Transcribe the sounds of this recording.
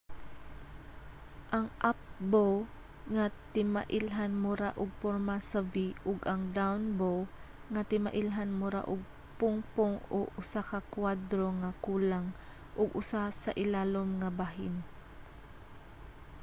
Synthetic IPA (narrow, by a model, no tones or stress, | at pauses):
ʔɐŋʔap̚bow | ŋat̪ɪmaʔɪlɦanmʊɾaʔʊɡ̚poɾmasaviʔʊɡʔaŋd̪awnbow | ŋat̪ɪmaʔɪlɦanmʊɾa̰ʔʊɡ̚ | pʊŋpʊŋo̰ʔʊsakakwad̪ɾoŋakuːlaŋ | ʔʊɡʊsasaʔɪlaːlomŋabaɦɪn